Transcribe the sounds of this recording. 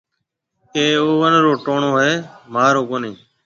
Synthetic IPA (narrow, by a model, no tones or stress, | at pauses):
keːoːʋənɾoːʈoːɳoːɦeːmaːɾoːkoːneː